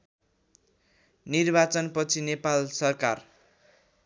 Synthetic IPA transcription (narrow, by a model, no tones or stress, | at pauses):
nirbat͡sʌnpʌt͡sʰinepalsʌrkar